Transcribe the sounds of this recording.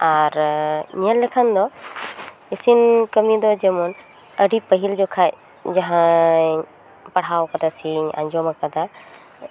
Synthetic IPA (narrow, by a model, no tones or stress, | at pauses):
aɾɲiəlːɛkʰand̪ɔ | isinkəmĩd̪ɔd͡ʒɛmɔn | əɖipəɦild͡ʒɔkʰaj | d͡ʒaɦã | pɐɽ̤ɦawkɐd̪asiɲa̰ɲd͡ʒɔməkɐd̪a